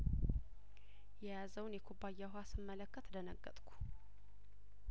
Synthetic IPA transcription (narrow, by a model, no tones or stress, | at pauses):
jɛjazəwnjɛkʰubajːaɦasɨmːələkːət̪d̪ənəɡːət̪ʼkʷʰu̥